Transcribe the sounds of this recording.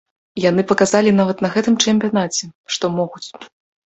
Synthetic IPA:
jan̪ɨpɐkazalʲinavɐt̪nɐɣɛt̪ɨmt͡ʂɛmʲpʲijanat͡sʲɛʂt̪ɔmɔɣut͡sʲ

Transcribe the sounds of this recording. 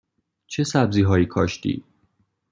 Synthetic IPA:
t͡ʃʰe̞sæbziːɦɒːjiːkʰɒːʃt̪ḭː

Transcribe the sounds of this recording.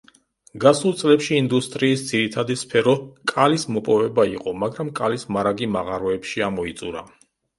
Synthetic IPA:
ɡasulˠt̪sʼlɛpʃiːnd̪ust̪ʼɾiːsd̪z̥iɾit̪ʰad̪ispʰɛɾɔkʼalismɔpʼɔvɛbaiqʼɔmaɡɾamkʼalismaɾaɡimaʁaɾɔɛpʃiamɔit̪sʼuɾa̰

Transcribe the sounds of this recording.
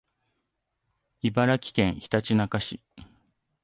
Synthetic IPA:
ibaɾakʲi̥kẽ̞ɰ̃çi̥t̪at͡ɕinakaɕi

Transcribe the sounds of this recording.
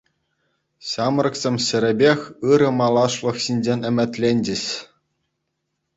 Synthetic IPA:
ɕɑm̆rɤ̆ksʲemʲɕɘ̆ɾʲɘ̆bʲexʲɯɾɤ̆mɑlˠɑʂlˠɤ̆xɕinʲd͡ʑenʲɘ̆mʲɘ̆t̪ʲlʲenʲd͡ʑɘ̆ɕ

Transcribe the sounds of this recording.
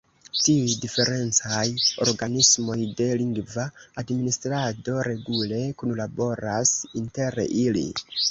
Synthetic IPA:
tiujdife̞ɾe̞nt͡sajo̞̰ɾɡanismo̞jde̞liŋɡvaːdministɾado̞ɾe̞ɡule̞kunlabo̞ɾasinte̞ɾilḭ

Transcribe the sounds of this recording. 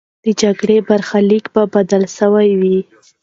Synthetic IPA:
d̪̥əd͡ʒaɡɽebaɾxalikbabad̪alʃəwajwi

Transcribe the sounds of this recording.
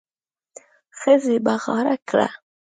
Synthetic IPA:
xəzebaɣɑ̰ɾakɽa̰

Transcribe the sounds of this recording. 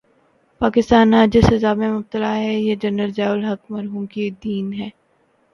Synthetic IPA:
paːkɪst̪aːnɦaːd͡ʒɪsɐzaːbmẽmʊb̚t̪əlaɦɛjed͡ʒɐnəlzaːʊlɦɐkmɐɾɦuːmkid̪iːnɦɛː

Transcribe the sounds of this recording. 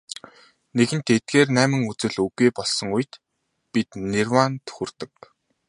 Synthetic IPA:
neɣɘ̆nt̪et̪̚ɡeːrnæːmɘ̆ŋut͡sɘ̆ɮɵɣiːpɔɮsɞ̆ŋuj̆t̪ | pit̪nerwant̪xurt̪ɘ̆k̚

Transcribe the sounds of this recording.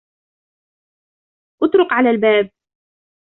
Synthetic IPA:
ʔʊt̪ˤɾʊqʕalaːlbaːb̚

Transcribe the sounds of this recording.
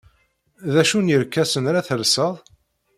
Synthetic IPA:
ðæʃunjəɾkːæsənɾaθəlsəðˤ

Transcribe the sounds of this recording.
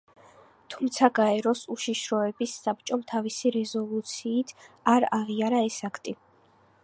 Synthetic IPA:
t̪ʰumt̪sʰaɡaɛɾɔsuʃiʃɾɔɛbisːap̚t͡ʃʼɔmt̪ʰavisiɾɛzɔlˠut̪sʰiːt̪ʰaɾaʁiaɾaɛsakʰt̪ʼi

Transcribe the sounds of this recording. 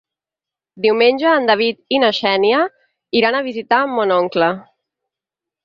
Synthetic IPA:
d̪iwmenʲʒəːnd̪aβ̞it̪inəʃɛnjə | iɾanəβ̞izit̪amːonɔŋklə

